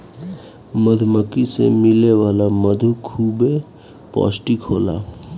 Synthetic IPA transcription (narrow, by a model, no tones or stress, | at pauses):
məd̪ʱməkisḛmɪleʋaːlaməd̪ʱukʰːuːbe | pɔ̰ːsʈikʰoːla̰ː